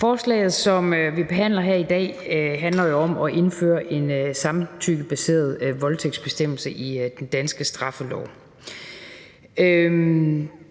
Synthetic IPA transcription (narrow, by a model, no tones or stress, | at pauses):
fɒːslɛ̰ːɪð̞̩ˠsɒ̽møʋib̥e̝ɦæn̰lɐɦæɐ̰id̥ɛ̰ːɦænlɐjo̝ɒ̽mɒ̽ʔe̝nfø̰ːɐʔe̝nsɑ̈mt͡sʰy̰ːɡ̥b̥æse̝̰ːɐðˠʋɒ̽lt͡sʰeɡ̥dsb̥e̝sd̥em̰l̩səʔid̥end̥ænsɡ̥əsd̥ʁɑ̈fəlɒ̰ʊ | ø